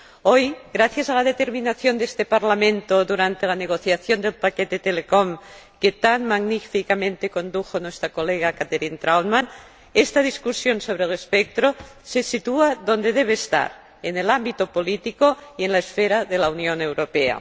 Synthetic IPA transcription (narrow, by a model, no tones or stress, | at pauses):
ojɣɾaθjazalað̞et̪eɾminaθjond̪est̪epaɾlamẽnt̪oðuɾant̪elaneɣ̞oθjaθjond̪elpaket̪et̪elekom | ket̪anmaɣnifikamẽnt̪eko̞nd̪uxonwest̪ɾakoleɣakat̪eɾint̪ɾaw̪man | est̪aðiskusjonsoβ̞ɾelespek̚t̪ɾosesit̪uaðo̞nd̪eðeβeːst̪a̰ɾ | enelambit̪opolit̪ikoienlaesfeɾaðelaunjonewɾopea̰